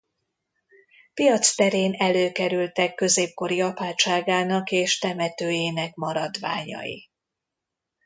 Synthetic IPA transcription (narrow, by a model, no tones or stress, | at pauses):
pijɒt̪st̪ɛɾeːnɛløːkɛɾylt̪ɛkːø̞zeːp̚ko̞ɾiɒpaːt͡ʃaːɡaːnɒkeːʃt̪ɛmɛt̪øːjeːnɛk̚mɒɾɒd̪ʋa̰ːɲɒ̰jḭ